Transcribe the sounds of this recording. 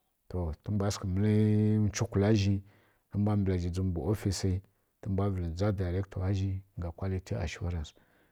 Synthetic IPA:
to˨tə˦ba˦skə˨mə˦li˦t͡ʃu˦ku˨la˦ʒi˦ | tə˦mbʷa˦mbla˨d͡ʒi˨d͡zu˦m˨bu˨o˦fi˦si˦ | tə˦mbʷa˦və˨la˨d͡za˦da˨ɾe˦kto˨a˦ʒi˦ŋɡa˨kʷa˦li˦ti˦a̰˨ʃi˦wa̰˦ɾa˨ns

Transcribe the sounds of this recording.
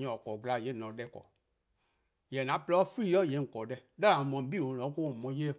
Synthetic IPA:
ɲɔ̃˨ɔ˨kɔ˨ɡla˨je˦˨nɔ̃˨dɛ˦˨kɔ̰˨ | jɛ˨n˨ã˨˦plɛ˦ɔ˦fi˦jɔ˦˨je˨ŋ̩˨kɔ˨dɛ˦dɛ˦ã˨mɔ̃˨m̩˨˦bi˦˨wõ˨lɔ̃˨˦ko˦˨mɔ̃˨˦je˦

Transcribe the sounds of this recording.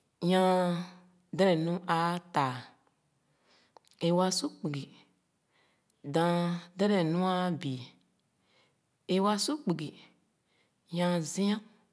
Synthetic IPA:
jã˧ | dɛ˦ɾɛ˨nũ˦ʔa˧ta˨ | e˧wa˧su˦k͡pi˨ɡi˨ | dã˨˧dɛ˦ɾɛ˨nũ˦a˧bi˨ | e˧wa˧su˦k͡pi˨ɡi˨ | ɲã˧zĩ˦ã˦

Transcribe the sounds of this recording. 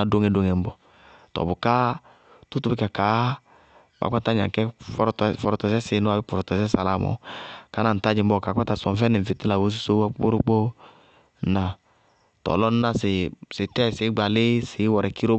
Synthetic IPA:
a˨do˦ŋɛ˨do˨˦ŋɛ˨m̩˦bɔ˧ | tɔ̰˨bʊ˨ka˦ | tʊ˦tu˨˦bɪ˦ka˨kaː˨˦ | ba̰˨˦k͡pa˦ta˦ɲa̰˨kɛ˦fɔ˦ɾɔ˨tfɔ˧ɾɔ˨tɔ˨sɛ˦sɪ˨˦nʊ˦a˨bɪ˦pɔ˨ɾɔ˨tɔ˨sɛ˦sa˨la˨mɔ̰˨ka˨˦na˨n̩˨ta˦d͡ʒɪ˨m̩˦ɔ˦˨ka˨˦k͡pa˦ta˨sɔ˨m˦fɛ˦nɛ˨m̩˨fɪ˨tɪ˦la˨wo˦s̬i˦so˦a˦k͡po˦ɾo˦k͡po˦ | na˨ | tɔ̰˨lɔ˦n˦na˦sɪ˨sɪ˨tɛ˦˨sɪ˨˦ɡ͡ba˨lɪ˦sɪ˨˦wɔ˨ɾɛ˨ki˦ɾo˦

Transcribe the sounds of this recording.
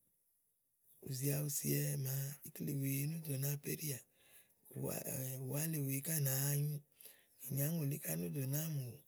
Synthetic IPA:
ṵ˨zi˨a˧u˧si˨˦ɛ˧ma˨˦i˦kle˨we˨˦nu˦do˨na˦pḛ˦ɾi˦a˨ | u˨wa˦le˨we˨˦ka˦˨na˨˦˧ɲũ˦ | i˨ɲa˨˦ŋo˨li˦ka˦nu˦do˨na˦mu˨

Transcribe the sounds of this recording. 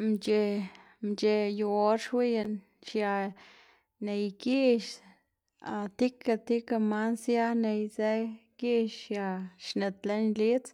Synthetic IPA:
mt͡ʃe˧ | mt͡ʃe˧ju˧o˧ɾʂwi˦je˧n | ʃja˧ | ne˧jki˦ʃ | a˧t̪i˦ka˧t̪i˦ka˧ma˦nsja˦ne˧jze˦ki˦ʃja˧ʃne˨t̪le˦nli˦t͡s

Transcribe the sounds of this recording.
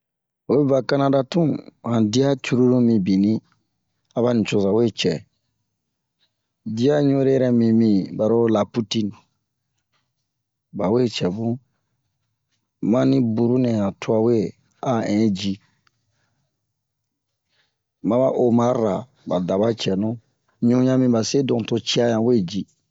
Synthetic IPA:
o˨˦bi˦ba˨ka˦na˦da˦tũ˦ã˨di˦a˦t͡ʃu˦ɾu˦dũ˦mĩ˨bi˨nĩ˦ | a˨βa˦nĩ˨t͡ʃo˨za˨we˦t͡ʃɛ˨ | di˦a˦ɲõ˦ɾe˦ɛ˦ɾɛ˦mĩ˨mĩ˨ba˨ɾo˦la˨pu˦ti˦n | ba˨we˦t͡ʃɛ˨bũ˦ | mã˦nĩ˦bu˨ɾu˦nɛ̃˨jã˨tu˦a˨we˦ | a˦ɛ̃˨˦d͡ʒi˦ | mã˦ba˦ʔo˨mã˨˦ɾa˨ | ba˨da˨ba˦t͡ʃɛ˨nũ˦ | ɲũ˦ɲã˦mĩ˧ba˨se˦dõ˨to˧t͡ʃi˦a˦jã˨we˦˨d͡ʒi˦

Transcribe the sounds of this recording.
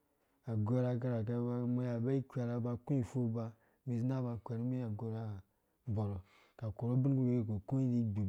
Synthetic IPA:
a˨ɡʷo˦ɾa˦ɡa˦ɾa˨ka˦a˦mo˦ja˨ba˦i˦kʲʷa˨ɾa˦ba˧ku˦i˨fu˦ba˦ | mi˨zi˦na˦˨ba˨kʷʲa˨ɾi˦mi˦a˨ɡo˨ɾa˦˨ | bo˨ɾo˨ | ka˨ko˨ɾo˦bi˦n˦ɡu˦e˦ko˨ku˦i˦ɾi˦ɡ͡bi˨˦

